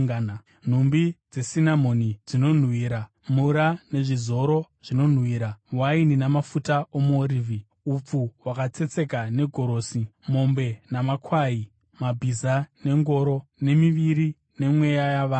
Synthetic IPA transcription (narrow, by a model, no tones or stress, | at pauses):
n | n̤umbid͡ze̞sinamo̞nid͡zino̞n̤wiːɾa | muɾane̞ʐizo̞ɾo̞ʐ̥ino̞n̤wiːɾawaininamafutaomoɾivʱi | up͡fuwakat͡se̞t͡se̞kane̞ɡʱo̞ɾo̞ːsimo̞mbe̞namakwai | mabʱizane̞ŋɡo̞ɾo̞ne̞miʋiɾi | ne̞mwe̞jajaʋaː